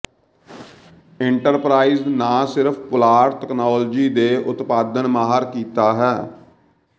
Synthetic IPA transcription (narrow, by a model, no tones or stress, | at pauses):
ɪɳʈəɾpɾaːiːznãːsɪɾpʰpʊlaːɾʈ̪ɛknaːld͡ʒiːd̪eːʔʊt̪paːd̪ənmaːɦaɾkiːt̪aːɦɛː